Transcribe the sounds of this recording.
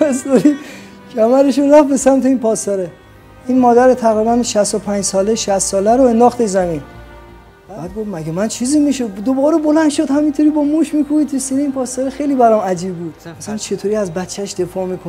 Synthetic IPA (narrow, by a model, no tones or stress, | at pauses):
æzoɾi | cʰæmæɾeʃoɾæfbe̞sæmt̪ʰe̞iːnpʰɒːsɒɾe | iːnmɒːd̪æɾet̪ʰæɣɾibænʃæst̪opʰænd͡ʒsɒːleʃæst̪sɒːlæɾoe̞nd̪ɒːxt̪ezæmiːn | bæːd̪̚ɡo̞fmæɡemænt͡ʃʰiːziːmiʃod̪obɒːɾebo̞lænd̪ʃod̪hæmint̪ʰoɾiːbɒːmuːʃmikʰubit̪ʰusiːneiːnpʰɒːst̪ɒɾexe̞jliːbæɾɒmæd͡ʒiːbbuːd̪̥mæsælænt͡ʃʰe̞t̪ʰoɾiːæzbæt̪t͡ʃʰːæʃd̪e̞fɒːmiːkʰon